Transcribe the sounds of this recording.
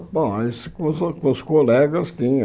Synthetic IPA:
pajskõskõskolɛɡɐst̪ĩ

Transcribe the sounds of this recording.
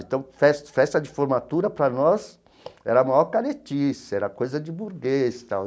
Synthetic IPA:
ẽt̪ɐ̃w̃fɛst̪fɛst̪ɐd͡ʒɪfoɾmat̪uɾɐpɾɐnɔs | ɛɾɐumajɔɾkaɾet͡ʃisɛɾɐkojzɐd͡ʒɪbuɾɡest̪aw

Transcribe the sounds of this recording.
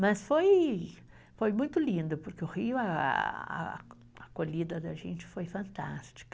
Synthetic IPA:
mɐsfoj | fojmũj̃t̪ʊlĩnd̪ʊpʊɾkeʊhiʊɐ̰ɐ̰ | ɐkoʎid̪ɐd̪ɐʒḛ̃nt͡ʃɪ̥fojfɐ̃nt̪ast͡ʃi̥kɐ

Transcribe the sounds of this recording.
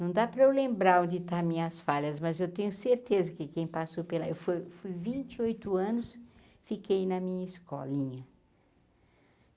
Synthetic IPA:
nɐ̃w̃d̪apɾɐewlẽmbɾaɾõd͡ʒɪt̪aɾmĩɲɐsfaʎɐzmɐzewt̪ẽɲʊseɾt̪ezɐkɪkẽj̃pasowpelɐewfojfujvĩnt͡ʃɪojt̪ʊɐ̃nʊs | fikejnɐmĩɲɐɪskɔ̰lĩɲɐ

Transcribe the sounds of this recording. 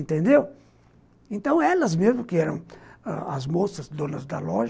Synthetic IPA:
nt̪ẽnd̪ew | ẽnt̪ɐ̃w̃ɛlɐzmezmʊkɪɛɾɐ̃w̃ã̰ɐ̰zmosɐzd̪õnɐzd̪ɐ̰lɔʒ

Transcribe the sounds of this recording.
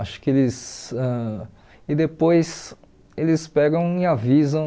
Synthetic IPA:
aʃʊ̥kɪelɪsɛ | ɪd̪epojs | elɪzɪspɛɡɐ̃w̃ɪavizɐ̃

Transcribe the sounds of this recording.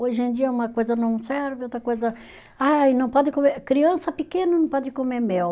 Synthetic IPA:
oʒẽd̪iɐũmɐkojzɐnɐ̃w̃sɛɾvɪot̪ɾɐkojzɐ | ajnɐ̃w̃pɔd̪ɪkomeɾkɾiɐ̃sɐpɪkẽnɐnɐ̃w̃pɔd̪ɪkomemɛw

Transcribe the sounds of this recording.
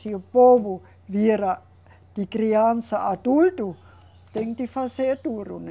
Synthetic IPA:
siopoʋu | ʋieɾa | t̪ikriansaʔːt̪ult̪u | t̪eŋt̪ifaset̪uɾṵn

